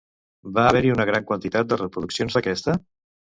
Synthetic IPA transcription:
baːβɛɾiunəɣ̞ɾaŋkwənt̪it̪at̪̚d̪ərəpɾuðuksijonzðəkɛst̪ə

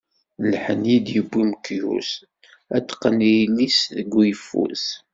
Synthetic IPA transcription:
lħənjid̪jəbʷːimkjṵs | æt̪ːqːənijlisðəɡʷːijfːṵs

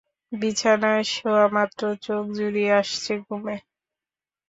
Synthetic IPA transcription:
bit͡ɕʰanaeʃoamat̪ːɾot͡ɕok̚d͡ʑuɾieaʃt͡ɕʰeɡume

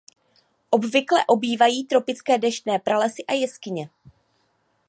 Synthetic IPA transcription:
ʔo̞bvɪklɛʔo̞biːvajiːt̪ɾo̞pɪt͡skɛːdɛʃnɛːpɾalɛsɪʔajɛskɪɲɛ

